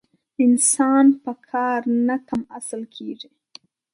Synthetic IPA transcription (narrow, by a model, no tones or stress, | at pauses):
ɪnsɑnpəkʰɑɾnakamasəlkʰeʐi